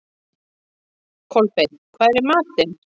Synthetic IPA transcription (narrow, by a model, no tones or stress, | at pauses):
kʰɔlpekʰvaːðɛɾɛɾmaːt̪ɪn